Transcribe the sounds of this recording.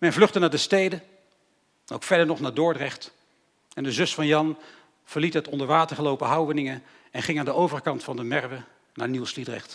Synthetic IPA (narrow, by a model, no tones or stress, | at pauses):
mɛnvlɵχtənaːdəstejdə | nowkfɛɹdəɹnɔχnaːdʊːɹdrɛχt | ɛndəzɵsfɑnjɑn | v̥əɹlitɦɛtɔndəɹʋaːtəɹχəlowpəɦʌwʋənɪŋən | ɛnχɪŋaːndəowvərkɑntfɑndəmɛɹʋə | naːɹnuwslidrɛ̰χt